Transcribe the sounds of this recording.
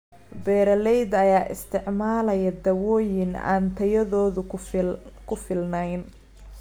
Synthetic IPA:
bɛːɾɐlɛjd̪ɐjaːʔɪ̰st̪ʰɪʕmaːlɐjɐd̪ɐwɔːjɪna̰ːnt̪ʰɐjɐðɔːðʊ | kʰʊfɪlnɛjn

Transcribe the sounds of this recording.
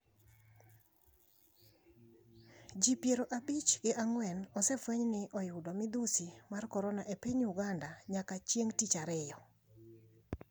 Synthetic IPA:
d͡ʒipjeɾoʔabit͡ʃɡɪʔaŋwɛnɔsɛfwɛɲnɪʔɔjʊdɔmɪd̪usimarkɔɾɔnaʔepiɲuɡandaɲakat͡ʃjeŋtit͡ʃaɾɪjɔ

